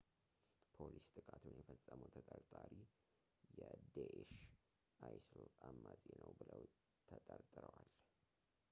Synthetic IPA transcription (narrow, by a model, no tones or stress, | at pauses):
pʰolist̪ʼɨkʼat̪ʰunjɛfəsʼːəməwt̪ʰət̪ʼəɾt̪ʼaɾi | jɛd̪eʔeʃ | ʔajslamːazʼenəwbɨləw | t̪ʰət̪ʼəɾt̪ʼɨɾəwal